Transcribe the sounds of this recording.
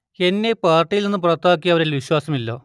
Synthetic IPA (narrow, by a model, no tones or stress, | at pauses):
e̞nːe̞paːrʈːijilninːɨp̬urɐt̪ːaːk̬ːiɐʋɐɾulʋiɕwaːsɐmilːo̞̰ː